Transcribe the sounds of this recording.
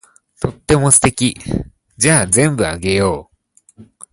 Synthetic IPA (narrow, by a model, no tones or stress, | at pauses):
t̪o̞t̪ːe̞mo̞sɨ̥t̪e̞kʲi | d͡ʑaːzẽ̞mbɯ̟aɡe̞jo̞ː